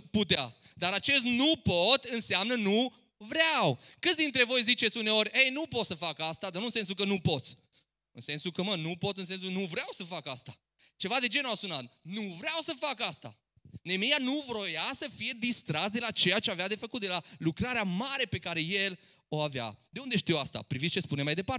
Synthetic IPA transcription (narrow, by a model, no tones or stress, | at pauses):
put̪ea̰d̪aɾat͡ʃe̞s̬t̪nupot̪ɨnseamnənu | vɾeawkɨt̪sd̪int̪ɾe̞vo̞jzit͡ʃe̞t̪sʲune̞o̞rʲejnupo̞t̪səfakast̪ad̪arnuɨnsens̬ukənupo̞t̪sʲ | ɨ̰nse̞nsukəmənupo̞t̪ɨnse̞ns̬unuvɾeawsəfakast̪ḁ | t͡ʃe̞vad̪e̞d͡ʒe̞nuasunat̪nuvɾawsəfakast̪a̰ | ne̞mejanuvɾojasəfije̞d̪ist̪ɾasd̪e̞lat͡ʃe̞jat͡ʃeavead̪e̞fəkut̪d̪elalukɾaɾeamaɾe̞pe̞kaɾe̞je̞l | o̞avea̰d̪eund̪eʃt̪iwast̪a̰pɾivit̪st͡ʃespunemajd̪e̞paɾ